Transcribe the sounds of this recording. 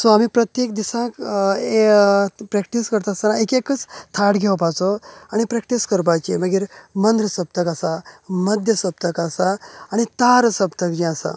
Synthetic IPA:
sɔamiːpɾət̪jekd̪isãkepɾɛkʈiskəɾt̪asanaekekət͡st̪ʰaɽɡʱewpat͡soañipɾɛkʈiskəɾp̬at͡ɕeməɡiːɾmənd̪ɾəsəb̚t̪əkasaməd̪ʱjəsəb̚t̪əkasaːɽ̃it̪aɾsəpt̪əkd͡ʑiasa̰

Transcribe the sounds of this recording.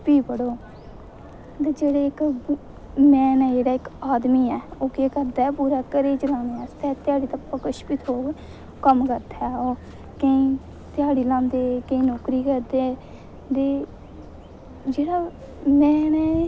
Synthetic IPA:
piːbəɽoː | t̪eːd͡ʒeːɽeːɪk | mɛ̃ːnɛːd͡ʒeːɽaːɪkaːd̪miːɛːoːkeːkəɾd̪aːɛpuːɾaːkəɾeːd͡ʒɾaːneːaːst̪ɛːt̪ɪjaːɽiːt̪əpːakəʃpiːt̪ʰoː | kəmkəɾd̪aoː | kə̃ĩː | t̪ɪjaːɽiːlãːmd̪eːkə̃ĩːnoːkɾiːkəɾd̪eː | d̪eː | d͡ʒeːɽaː | mɛ̃ːnɛ

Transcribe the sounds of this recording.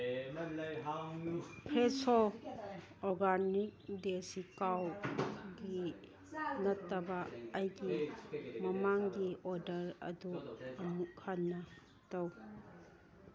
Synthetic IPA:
pʰɾeso | ɔɡanik̚desikawɡi | nɐtːɐbɐːjɡimɐmaŋɡiɔɾdɐɾɐ̰duɐmukʰanːɐ | tɐw

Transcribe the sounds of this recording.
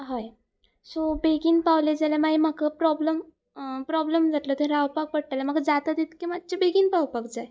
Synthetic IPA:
ɦaj | sobeɡiːnpaʋled͡zalamaɦimakʰapɾɔbləm | pɾɔbləmd͡zat̪lət̪eɾawpak̚pəɽ̚ʈalam̤akd͡zat̪ad̪it̪kimat̪̚ːt͡ɕebeɡinpawpakd͡zaj

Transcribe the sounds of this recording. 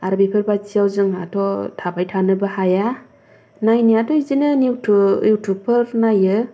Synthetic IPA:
aɾbipʰɯɾbazijawzɯŋatʰɔtʰabajtʰanɯbahaja | najnijatʰɔizinɯniwtʰṵjuwtʰuk̚pʰɯɾnajɯ

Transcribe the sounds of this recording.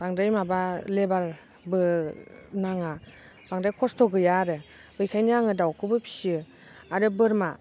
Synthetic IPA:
b̥aŋdɯjmabalebal | bɯ | naŋa | baŋdajkʰɔstʰɔɡɯjaɾɯ | bɯjkʰajnaŋɯdawkʰɯbɯpʰi̥sɯ | aɾɯbɯɾma

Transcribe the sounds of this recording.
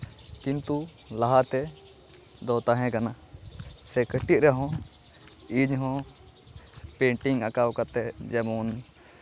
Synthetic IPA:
kint̪ulaɦat̪ɛ | d̪ɔt̪aɦɛ̃kana | sɛkəʈit̪̚ɾɛɦɔ̃ | iɲɦɔ̃ | pɛɳʈiŋakawkat̪ɛd͡ʒɛmɔn

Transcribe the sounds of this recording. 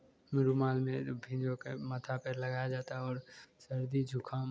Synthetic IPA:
mɪɾumaːlmẽbʱĩd͡ʒõkemət̪ʰapələɡaːjad͡ʒaːt̪aɔːɾsəɾd̪id͡ʒʱʊkʰa

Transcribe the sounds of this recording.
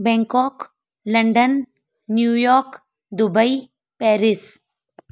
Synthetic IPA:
bɛ̃ŋkɔːk | lɐɳɖənː | jujɔːɾk | d̪ʊbəi | pɛːɾɪs

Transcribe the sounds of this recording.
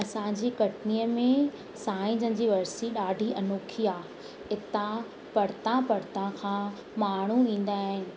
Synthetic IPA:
ɐsãd͡ʑiːkɐʈniːəmẽ | saːĩd͡ʑə̃n̆d͡ʑiːʋɐɾsiɗaːɖʱiʔɐnoːkʰiaː | ɪt̪ã | pɐɽ̤t̪ãpɐɽ̤t̪ãkʰãː | maːɳ̤uʋĩːn̆d̪aːɦɪ̃nɪ̆

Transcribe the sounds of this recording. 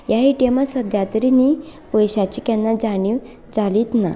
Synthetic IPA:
jaɦiʈemasəd̪ʱjat̪ɾinipɔjɕat͡ɕikɛnːad͡zaɽ̃iʋ | d͡zaliːt̪na̰

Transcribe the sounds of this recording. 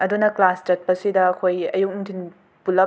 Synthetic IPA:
ɐdunɐklast͡ʃɐt̚pɐsidɐːkʰojɐ̰juk̚umtʰin | pulɐ

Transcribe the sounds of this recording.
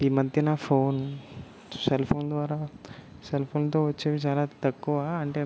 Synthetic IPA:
iːmɐd̪ʱjɐnaːpʰoːn | selpʰoːnd̪ʋaːɾaːselpʰoːnt̪o̞ːʋɐt͡ʃːeːʋit͡ʃaːlaːt̪ɐkːuʋaɐɳʈeː

